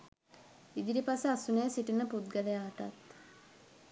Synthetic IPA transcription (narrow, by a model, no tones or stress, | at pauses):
id̪iɾipasəasunəjəsiʈinəput̪ɡəlejaːʈa̰t̪